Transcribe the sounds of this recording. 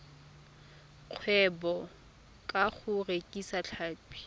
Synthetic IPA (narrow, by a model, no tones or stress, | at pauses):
q͡χʰwɛbɔ | kʼaχʊrekʼisaɬʰaːpʼi̥